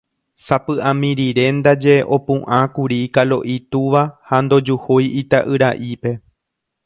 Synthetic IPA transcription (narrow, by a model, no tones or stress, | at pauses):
sapɨʔãmĩɾiɾe̞nd̪ad͡ʒe̞ʔo̞pũʔãkuɾikalo̞̰ʔit̪uʋahand̪o̞d͡ʒuhojit̪aʔɨɾaʔipe̞